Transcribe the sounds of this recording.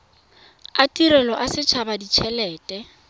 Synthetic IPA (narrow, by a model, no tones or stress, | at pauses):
atiɾɛlɔʔasɪt͡ʃʰabadit͡ʃʰɛlɛːtʼɛ